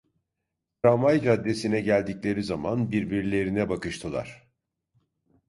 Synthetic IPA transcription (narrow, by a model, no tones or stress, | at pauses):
ɾamajd͡ʒad̪ːe̞sinɛɟælʲd̪iclʲe̞ɾizamanbiɾbiɾlʲe̞ɾinɛbakɯʃt̪ʰɯlˠa̰ɾ̥